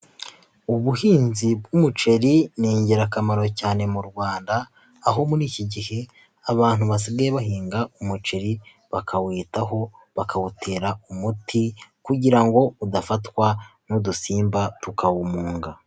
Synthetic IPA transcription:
uβuhiːnzibɡumut͡ʃe̞ɾiniːɲɟeɾakamaɾo̞caːne̞muɾɡwaːndaː | ɦo̞muɾiːciɟihe̞ | aβaːn̥uβas̬iɡajeβaɦiːŋɡaumut͡ʃe̞ɾi | βakʰawiːtaɦo̞ | βakʰawutʰe̞ːɾaumutʰikuɟiɾaŋɡo̞udafatwanudusiːmbatukʰawumuːŋɡa

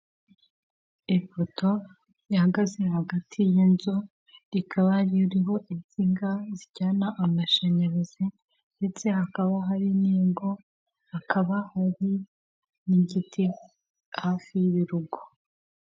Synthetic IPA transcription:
ifotʰo̞ | jahaɡaze̞haɡatʰijinzo̞ | ɾikʰaβajiɾiɦo̞ʔiziŋɡaziɾɟaːnaʔamaʃe̞ɲeɾeze | nde̞t͡se̞hakaβaɦaɾineːɡo̞ | hakaβahaɾi | niɟitʰi | hafiβiɾuɡo

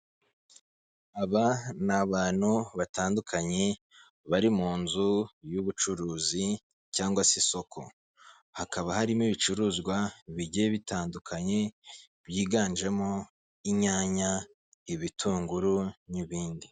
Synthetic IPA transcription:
aβanaβaːn̥huβataːndukʰaɲe̞ | βaɾimuːnzujuβut͡ʃuɾuːzi | caːŋɡwasiso̞kʰo̞̰ | hakaβahaɾimiβit͡ʃuɾuːzɡwaβiɟeβitaːndukʰaɲe̞ | βjiːɡaːnd͡ʒe̞mo | iɲaːɲa | iβitʰuːŋɡuɾuniβiːndi

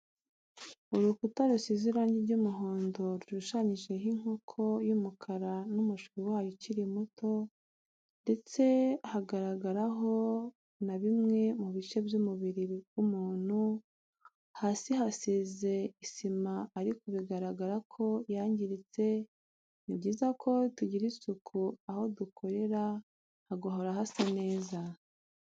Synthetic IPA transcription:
uɾukutaɾusiziɾaːɲɟiɾɟumuɦoːndo̞ɾuʃuʃaɲiʒe̞ɦiŋ̥okʰo̞jumukʰaɾanumuʃiwaːjociɾimuto̞ | nde̞t͡se̞haɡaɾaɡaɾaɦo̞ | naβimŋe̞muβit͡ʃe̞bjumuβiɾiɡumuːn̥hu | hasiɦasize̞isimaːɾikoβiɡaɾaɡaɾakʰo̞jaːɲɟiɾit͡se̞ | nibɟiːzakʰo̞tuɟiɾisukʰuaho̞dukʰo̞ɾe̞ɾa | haɡoɦo̞ɾaɦasane̞ːza

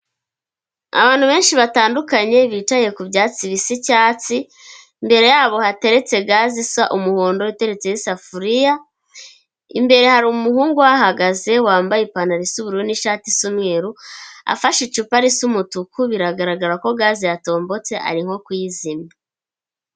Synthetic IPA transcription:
a̰βaːn̥huβe̞ːnʃiβataːndukaɲe̞βiːt͡ʃaje̞kubɟaːt͡siβisicaːt͡si | mbe̞ɾe̞jaːβo̞hate̞ɾe̞t͡se̞ɡaːzisaʔumuhoːndo̞ite̞ɾe̞t͡se̞jisafuɾija | imbe̞ɾe̞haɾiumuhuːŋɡuwahaɡaze̞waːmbajepanaɾisuβuɾuniʃaːtisumŋeːɾua̰faʃit͡ʃupaɾisumutukuβiɾaɡaɾaɡaɾako̞ɡaːzijato̞ːmbo̞t͡se̞ʔa̰ɾiŋ̥ho̞kwizima

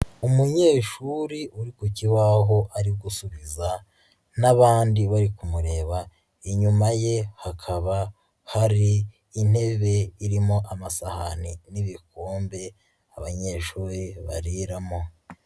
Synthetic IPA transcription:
umuɲe̞ːʃuɾiʔuɾikuciwaɦo̞ʔaɾiɡusuβiza | naβaːndiβaɾikumuɾe̞ːβa | iɲumajehakʰaβa | haɾiː | n̥e̞βe̞iɾimo̞ʔamasahaniniβikoːmbe̞ | aβaɲe̞ːʃuːɾiβa̰ɾiɾamo̞

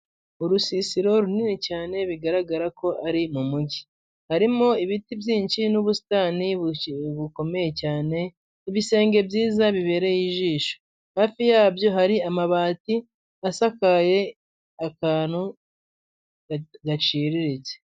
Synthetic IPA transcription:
uɾusisiɾo̞ɾuninicaːne̞βiɡaɾaɡaɾako̞ʔaɾimumuɟi | haɾimoiβitibjiːɲʃinuβusi̥taːniβuko̞me̞je̞caːne̞ | iβise̞ːŋɡe̞bjiːzaβiβe̞ːɾe̞jiʒiːʃo | haːfijabjo̞ɦaɾiamaβaːti | asakaje̞ | akaːn̥u | ɡat͡ʃiːɾiɾit͡se

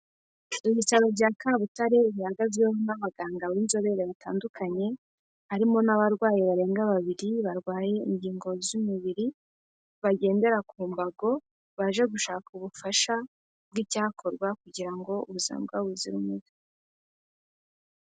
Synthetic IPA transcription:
iβisaβoɾɟaːkaβutaɾe̞βihaɡazɡweonaβaɡaːŋɡawinzo̞βe̞ɾeβata̰ːndukʰaɲe̞ | haɾimo̞naβaɾɡwaːjeβaɾe̞ːŋɡaβaβiɾiβaɾɡwaːje̞ḭɲɟiːŋɡo̞zumuβiɾi | βaɟe̞ːnde̞ɾakuːmbaɡo̞ | βaʒe̞ɡuʃaːkuβufaʃa | b̚ɡiːcaːkʰo̞ɾɡwakuɟiɾaŋɡo̞uβuza̰ːmbɡwaβuziɾumuβi

